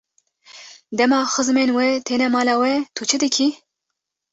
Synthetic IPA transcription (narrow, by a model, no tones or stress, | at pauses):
d̪ɛmɑːxɨzmenwɛt̪ʰeːnɛmɑːlɑːwɛt̪ʰut͡ʃʰɨd̪ɨkʰi